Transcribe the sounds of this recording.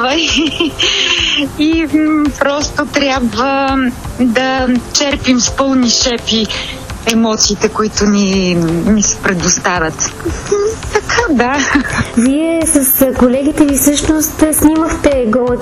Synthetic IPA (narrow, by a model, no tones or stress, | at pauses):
vəi | ipɾɔst̪ot̪ɾʲjabvə | d̪ɐt͡ʃɛɾpimspɤlˠniʃɛpi | ɛmɔt̪siːt̪ɛkoit̪ʊninisɛ̥pɾɛd̪ost̪avʲɐt̪ | t̪ɐkʰad̪aviɛsɐskolɛɡ̟ʲit̪ɛvifsɤʃnost̪sniməxt̪ɛɡɔ